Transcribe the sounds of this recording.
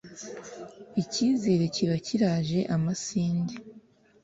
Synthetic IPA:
iciːze̞ːɾeciβaciɾaːʒe̞ʔamasiːnde

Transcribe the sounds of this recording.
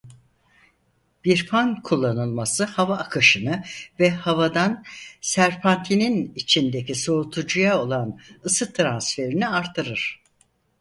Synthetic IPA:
b̥iɾpʰankʰulˠːanɯlˠmasɯhavaːkʰɯʃɯnɯvɛhavad̪ansæɾpʰant̪ʰininit͡ʃʰind̪eciso̞ɾut̪ʰud͡ʒujao̞lˠanɯsɯt̪ʰɾansfe̞ɾiniaɾt̪ʰːɯɾɯɾ̥

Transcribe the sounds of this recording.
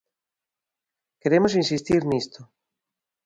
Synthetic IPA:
keɾemosinsist̪iɾnist̪o

